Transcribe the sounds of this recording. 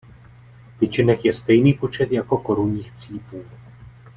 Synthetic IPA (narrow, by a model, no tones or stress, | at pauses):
vɪt͡ʃɪnɛxjɛst̪ɛjniːpo̞t͡ʃɛt̪jako̞ko̞ɾuɲiːxt͡siːpuː